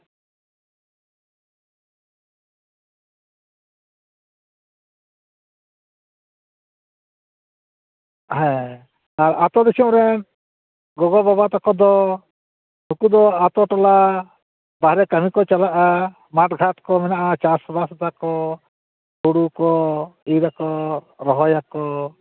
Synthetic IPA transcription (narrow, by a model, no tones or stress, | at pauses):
ɦɛ̃ | aɾat̪ɔd̪isumɾɛn | ɡɔɡɔbabat̪akɔd̪ɔ | nukud̪ɔat̪ɔʈɔla | baɦɾɛkamikɔt͡ʃalaʔa | maʈɡʱat̪kɔmɛnaʔat͡ʃasɔbasd̪akɔ | t̪uɽukɔiɾakɔ | ɾɔɦɔjakɔ